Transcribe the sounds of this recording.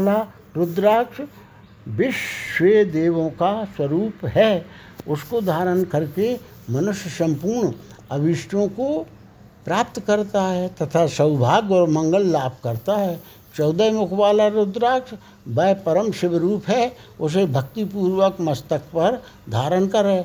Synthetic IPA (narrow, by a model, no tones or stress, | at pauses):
la | ɾʊd̪ɾaːkʃ | ʋɪʃʋed̪eːʋõkaswəɾuːpɦɛ | ʊskod̪ʱaːɾənkəɾke | mɐnʊʃjəsɐ̃mpuːɾɳɐbɪʃʈõko | pɾaːp̚t̪kəɾt̪aɦɛt̪ɐt̪ʰasə̃ʊbʱaːɡɔːɾmɐ̃ŋɡəlːaːp̚kɐɾt̪aɦɛː | t͡ʃɔːd̪əmʊkʰʋaːlaɾʊd̪ɾaːkʃ | bəjpɐɾəmʃɪbəɾuːpɦɛ | ʊs̬ebʱəkt̪ipuːɾwəkmɐst̪əkpɐɾ | d̪ʱaːɾənkəɾɦɛː